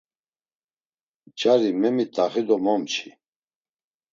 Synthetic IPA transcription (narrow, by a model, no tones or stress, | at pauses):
t͡ʃʼaɾimɛmit̪ʼaχid̪ɔmɔmt͡ʃʰi